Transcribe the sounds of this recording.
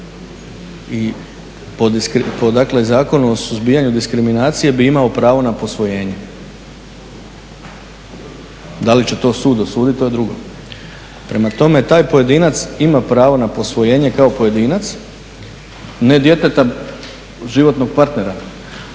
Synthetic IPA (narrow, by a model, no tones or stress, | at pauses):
i | pod̪iskɾpod̪aklezaːko̞nuosuzbiːjaɲud̪iskɾiminaːt̪sije̞biimaopɾaːʋo̞napo̞sʋoje̞ːɲe | d̪alit͡ɕe̞t̪o̞ːsuːd̪osuːd̪it̪oed̪ɾuɡo̰ | pɾe̞mat̪o̞me̞t̪aːjpoje̞d̪iːnat̪simapɾaːʋo̞napo̞sʋo̞jeːɲe̞kao̞poje̞d̪iːnat̪s | ne̞d̪je̞t̪e̞t̪a | ʒiʋo̞t̪no̞ɡ̚paɾt̪ne̞ɾa